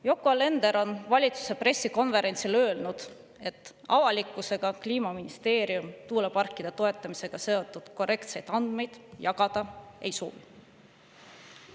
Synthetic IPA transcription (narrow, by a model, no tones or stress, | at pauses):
jo̞kːˑoɑle̞nd̪e̞ɾo̞nvɑlʲit̪su̥se̞pre̞sːiko̞nve̞ɾe̞nt̪silø̞ːlnud̪̥ | e̞t̪ːˑ | ɑvɑlʲikːˑuse̞ɡ̥ɑkliːmɑminist̪e̞ːɾiumt̪uːlepɑrkːˑid̪̥et̪o̞e̞t̪ːˑɑmise̞ɡ̥ɑse̞o̞t̪ːˑud̪̥ko̞re̞kt̪se̞jd̪̥ɑnd̪̥me̞jd̪̥jɑɡ̥ɑd̪̥ɑe̞̰jso̞̰ːvi